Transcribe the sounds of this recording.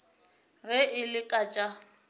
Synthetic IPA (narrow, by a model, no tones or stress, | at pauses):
rɛʔɪlɪkʼat͡ʃʼa